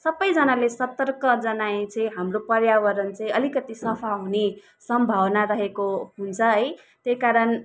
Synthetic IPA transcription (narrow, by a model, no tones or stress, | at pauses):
sʌbʌjd͡zʌnalesʌt̪ʌrkʌd͡zʌnaĩt͡sʌĩɦamropʌrjawʌɾʌnt͡sʌĩʌlikʌt̪isʌpʰaɦune | sʌmbʱʌwnaɾʌɦekoɦunt͡sʰʌɦʌj | t̪ejkaɾʌn